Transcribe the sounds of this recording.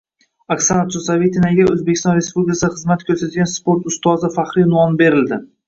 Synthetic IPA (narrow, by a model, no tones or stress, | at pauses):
aksanat̪ʰusavet̪ʰinaɡʲaɵzbekʲʰɪst̪ɒ̃nɾe̞spublʲɪkʰʲasχɨzmat̪kʲʰɵɾsat̪ɡʲanspoɾt̪ʊst̪ɒzɪfaχɾɪnɒnbe̞ɾɪld̪ɪ